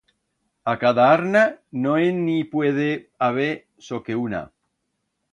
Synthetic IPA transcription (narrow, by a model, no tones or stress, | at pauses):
akaðaaɾnanoenːipweð̞eaβ̞e | sokeuna̰